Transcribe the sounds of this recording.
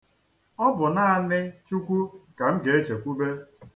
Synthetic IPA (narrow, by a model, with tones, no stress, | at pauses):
ɔ˦bʊ˨na˦a˦˨nɪ˦t͡ʃu˦kʷu˦ka˨m̩˦ɡe˨e˦t͡ʃe˨kʷu˦be˦